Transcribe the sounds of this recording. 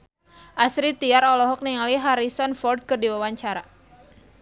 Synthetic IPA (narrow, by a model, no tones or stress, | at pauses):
ʔasɾit̪iaɾɔlɔɦɔk̚niŋaliɦaɾisɔnfɔrd̚kɨrdiwawaɲt͡ʃaɾa